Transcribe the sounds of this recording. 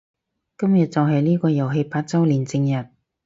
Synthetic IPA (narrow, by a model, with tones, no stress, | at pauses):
kɐ˥mjɐ˨t̚t͡sɐ˨wɦɐ˨jliː˥kɔː˧jɐ˨˩wɦe˧jpaː˧t̚t͡sɐ˥wliː˨˩nt͡sɪ˧ŋjɐ˨t̚